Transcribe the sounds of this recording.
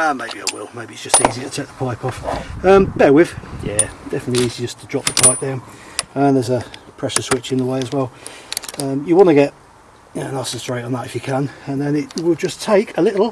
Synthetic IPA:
ʌmeɪbia̰ɪwɪ̰lˠmeɪbiɨtsd̥ʒ̥ʌstiːzitʰətʰeɪk̚ðə̥pʰaɪpʰɒfʌ̃mb̥ɛwɪð̥jæ̰d̥ɛfənətˡliiːzid͡ʒʌstʰədɹɒp̚ðəpʰaɪp̚d̥ãʊ̃nʌ̃ðəzəpʰɹ̥ɛʃəswɪt͡ʃɨ̃nðəweɪəzwɛlˠʌ̃mjəwɑ̃ñəɡɛt̚ | ə̃nasəstɹ̥eɪtn̩ðətɪfjɨkʰə̃nə̃nðə̃nɪt̚wɪlˠd͡ʒʌstʰeɪkʰəlɪɾl̩ˠ

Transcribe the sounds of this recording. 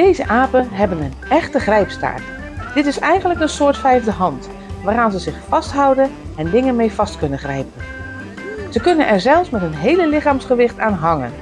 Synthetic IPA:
d̥ejzəʔaːpənɦɛbənənɛχtəχrɛjpsta̰ːɹt | d̥ɪtɪsɛjχənləkənsʊːɹtfɛjvdəɦɑnt | ʋaːraːnzəzɪχfɑstɦʌwdənɛndɪŋənmejv̥ɑstkɵnəχrɛjpən | z̥əkɵnənʔɛɹzɛlˠfsmɛtənɦejləlɪχaːmsχəʋɪχtaːnɦɑŋə̰n

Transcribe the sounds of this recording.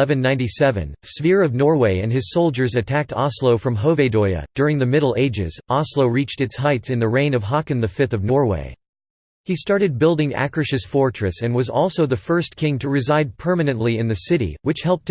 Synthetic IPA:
ɛvɨ̃nːãɪ̃ntisɛvɨ̰̃nsfɪɹʌvnɔɹweɪɨ̰̃nɨz̥soʊlˠd͡ʒə˞zɨtʰæk̚tʰɑsloʊfɹʌ̃mɦoʊveɪdɔɪɨ̰d̥ʊɹɪ̃ŋðɨmɪɾl̩ˠeɪd͡ʒɪ̰z̥ɑsloʊɹit͡ʃtɨtshaɪtsɨ̃nðɨɹẽɪ̃nʌv̥ɦɑkɨ̃nðɨfɪθʌvnɔɹwḛɪ | istɑɹɾɨd̚bɪlˠdɪ̃ŋæ̰kɹɨʃɨsfɔɹt͡ʃɹ̥ɨsɨ̃nwʌzɔ̰lˠsoʊðɨfɜ˞skʰɪ̃ŋtʰɨɹɨzaɪd̚pʰɜ˞mɨnɨ̃nʔliɨ̃nðɨsɪɾḭwɨt͡ʃhɛlˠp̚t̚

